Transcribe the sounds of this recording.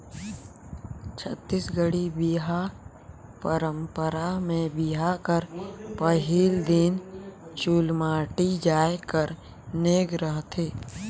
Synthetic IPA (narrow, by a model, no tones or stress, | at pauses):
t͡ʃʰət̪ːiːsɡəɽibiɦa | pəɾə̃mpəɾamẽbiɦakəɾpəɦiːld̪ɪnt͡ʃulmaːʈid͡ʒaːekəɾ | neːɡɾəɦt̪ʰeː